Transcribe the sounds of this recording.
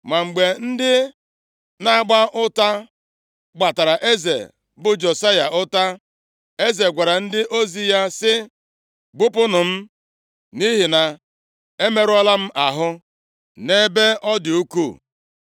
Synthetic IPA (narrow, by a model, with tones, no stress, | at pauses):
ma˨ŋ͡m̩˨ɡ͡be˨n̩˦dɪ˦ | na˦a˦ɡ͡ba˦ʔʊ˦ta˦ | ɡ͡ba˨ta˨ɾa˨ʔe˦zḛ˨ | bʊ˨d͡ʒo˨sa˦ja˨ʔʊ˦ta˦ | e˦ze˨ɡʷa˨ɾa˨n̩˦dɪ˦ʔo˦zi˦ja˦sɪ˦ | ɡ͡bʊ˦pʊ˦nʊ˨m̩˦ | ni˦ɦi˨na˨ | e˦me˦ɾʊ˦ɔ˦la˦m̩˦ʔa˨ɦʊ˦ | ne˦be˦ɔ˦dɪ˨u˦ku˦˨